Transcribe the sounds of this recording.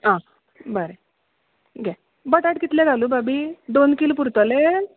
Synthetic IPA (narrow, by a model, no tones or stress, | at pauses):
ã | bəɾe | ɡɛ | bəʈaʈkit̪lẽɡʱaluːbabid̪onkilopuɾt̪əle